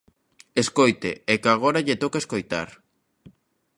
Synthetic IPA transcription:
eskojt̪ḛekaɣ̞oɾaʎet̪okaeskojt̪a̰ɾ

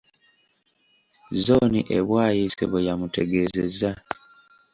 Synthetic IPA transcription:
zonḭʔḛβwaːjisḛβojamute̞ɡe̞zeza

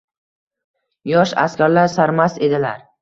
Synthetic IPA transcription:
jɒʃa̰skʲʰaɾlaɾsaɾmase̞d̪ɪlaɾ

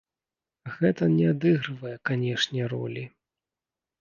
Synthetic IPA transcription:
ɣɛt̪ɐnʲɛad̪ɨɣɾɨvɐjɛkanʲɛʂnʲɛɾɔ̰lʲi

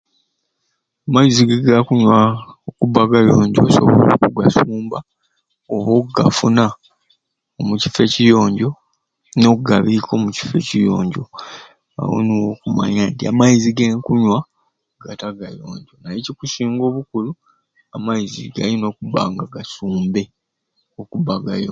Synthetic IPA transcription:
amajiziɡeɡakuɲwaokuβaɡajo̞ːɲɟo̞̰ːso̞̰βoo̰kuɡasuːmba | oβoɡa̰funa | omuci̥fe̞cijo̞ːɲɟo̞ | noɡaβikʰo̞muci̥fe̞cijo̰ːɲɟo̞̰ | a̰wo̰niwokuma̰ɲaːntia̰majiziɡe̞ŋkuɲwa | ɡ̥ataɡajo̞̰ːɲɟo̞najecikusiːŋɡo̞ːβukulu | amajizḭɡa̰lino̞ːkuβa̰ːŋɡaɡasuːmbe̞ | okubaɡajo

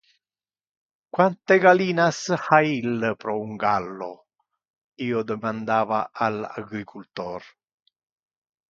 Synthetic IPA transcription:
kwant̪eɡaliːnashailːpɾɔuŋɡalːo̰ | iːod̪əmand̪aːvaʔala̰ɡɾikʰult̪ɔːr

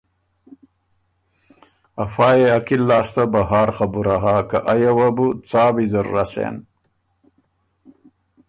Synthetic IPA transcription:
ɐfaːjeɐkilːaːst̪abɐɦaːɾxabuɾaɦaːkaʔajawabut͡saːbizɐɾːasḛːn

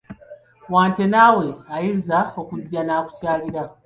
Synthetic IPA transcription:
waːnte̞nawe̞ajizao̞kuɟːanaːku̥caːliɾa

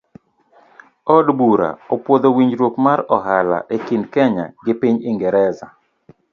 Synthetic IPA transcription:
ɔdbuɾa̰ɔpwod̪owiɲd͡ʒɾwokmaɾɔɦala̰ʔekindkɛɲa̰ɡɪpiɲɪŋɡɛɾɛza

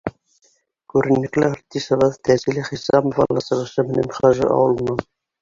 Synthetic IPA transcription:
kʉɾɘ̆nːɘ̆klæ̆ɾt̪ːisɑ̆βɤðt̪æzilɘχisɑmŏvɑ̰lˠːɑsɤ̆ʁɤ̆ʃɤmɘ̆næ̰mχɑʒɤ̰ʔɑ̰wɤ̆l̆ˠnɤn

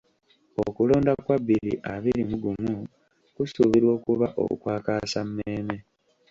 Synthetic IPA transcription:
o̰kulo̞ːndakwaβːiɾḭʔaβiɾimuɡumu | kusuβiɾwo̞ːkuβaʔo̞̰ṵkwaːkaːsamːeːme̞

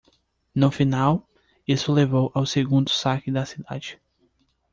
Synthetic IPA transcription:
nʊfinaw | isʊlevowʔawseɡũnd̪ʊsakɪd̪ɐsid̪a̰d͡ʒɪ

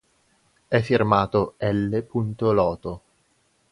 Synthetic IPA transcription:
ɛfːirmaːt̪oɛlːepunt̪olɔːt̪o

